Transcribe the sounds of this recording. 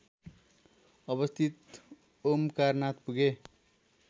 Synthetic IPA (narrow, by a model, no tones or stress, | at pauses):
ʌbʌst̪ʰit̪ | omkarnat̪puɡe